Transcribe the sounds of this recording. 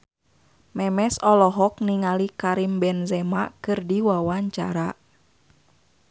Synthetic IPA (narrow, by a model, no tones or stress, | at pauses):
mɛmɛsɔlɔɦɔk̚niŋalikaɾimbɛnzɛmakɨrdiwawaɲt͡ʃa̰ɾa